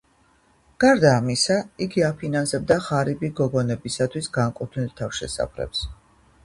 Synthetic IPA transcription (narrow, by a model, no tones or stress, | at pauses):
ɡ̥aɾd̪aːmisaiɡiapʰinansɛbd̪aχaɾibiɡɔɡɔnɛbisat̪ʰwisɡaŋkʼut̪ʰnilt̪ʰafʃɛ̰sa̰pʰɾɛ̰ps